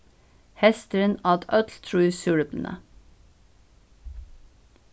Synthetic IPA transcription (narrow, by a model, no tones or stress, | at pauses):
hɛst̪əɾənɑːd̪œt̪ʰlt̪ʰɹʉːsʉːɽəbln̩ʔə̰